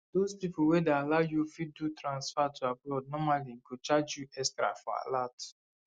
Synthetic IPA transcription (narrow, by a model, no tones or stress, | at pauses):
d̥ospipuwɛdealaʊjufit̚dutɾãnsfatʰuaplɔd̚nɔmaliŋ̩kut͡ʃad͡ʒjuʔɛstɾa̰fɔ̰a̰lat